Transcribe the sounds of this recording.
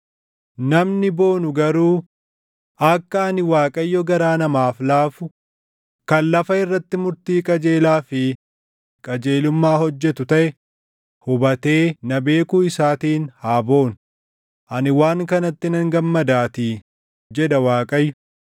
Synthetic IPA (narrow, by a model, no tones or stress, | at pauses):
nɐmnɪbo̞ːnʊɡɐɾuː | ɐkːɐɐnɪwaːkʼɐjːɔɡɐɾaːnɐmaːflaːfʊ | kɐnlɐfɐɪrːɐt̪ːɪmʊɾt̪iːkʼɐd͡ʒe̞ːlaːfɪ | kʼɐd͡ʒe̞ːlʊmːaːhɔd͡ʒːɛt̪ʊt̪ɐʔɛ | hʊbɐt̪e̞ːnɐbe̞ːkʊɪsaːt̪iːnhaːbo̞ːn | ʔɐnɪwaːŋkɐnɐt̪ːɪnɐŋɡɐmːɐd̪aːt̪i | d͡ʒɛd̪ɐwaːkʼɐjːʊ